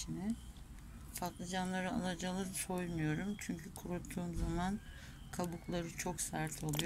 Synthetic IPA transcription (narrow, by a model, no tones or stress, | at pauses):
inɛ | fat̪lˠɯd͡ʒanlˠaɾɯa̰lˠad͡ʒalˠɯso̞jmujo̞ɾumt͡ʃʰyɲcʰykʰuɾut̪ʰːuːmzaman | kʰabuklˠaɾɯt͡ʃʰo̞ksaɾt̪ʰolˠuj